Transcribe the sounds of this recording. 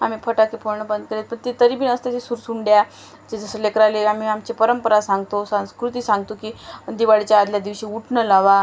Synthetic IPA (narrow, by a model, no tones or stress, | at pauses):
am̤iːpʰəʈakepʰoɾɳəbənd̪̚kəɾet̪̚pəɳt̪et̪əɾibiːnəst̪et̪esuɾsuɳɖja | d͡ʑed͡zəsəlekɾaleam̤iamt͡ɕepəɾəmpəɾasãŋɡt̪osãw̃skɾut̪iːsãŋɡ̚t̪okiːd̪iʋaɽit͡ɕjaːd̪ljad̪iʋɕiːuʈʰɳəlaʋa